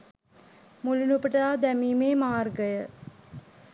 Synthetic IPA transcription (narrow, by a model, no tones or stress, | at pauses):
mulunupəʈaːd̪ɛmiːmeːmaːrɡəjə